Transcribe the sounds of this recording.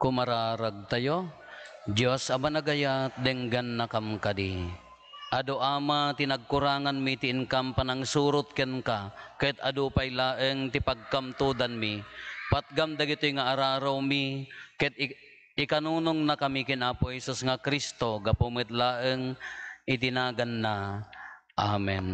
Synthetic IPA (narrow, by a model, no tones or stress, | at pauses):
kʊmaɾaːɾaɡ̚t̪ajo | d͡ʒosɐbanaɡajat̪̚d̪ɛŋɡanːakamkad̪i | ʔad̪oʔaːmat̪ɪnaɡ̚kʊɾaːŋanmit̪ɪʔɪŋkampanaŋsuːɾʊt̪̚kɛnkakɛt̪ad̪upajlaːʔəŋt̪ɪpaɡ̚kamt̪ud̪anmipat̪̚ɡamd̪aɡɪt̪ojŋaʔaɾaːɾawmikɛt̪̚ | ɪkanuːnʊŋnakamikɪnʔaːpohɛsusŋakɾist̪oɡapumɨt̪laːʔəŋɪt̪̬ɪnaːɡanːa | ʔamɛn